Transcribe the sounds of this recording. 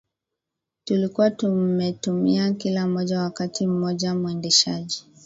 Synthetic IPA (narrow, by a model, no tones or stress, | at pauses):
tulikuwatumɛtumiakilam̩ɔʄawakatʰim̩mɔʄamuɛndɛʃaʄi